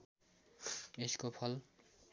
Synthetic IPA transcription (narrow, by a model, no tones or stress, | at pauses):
eskopʰʌl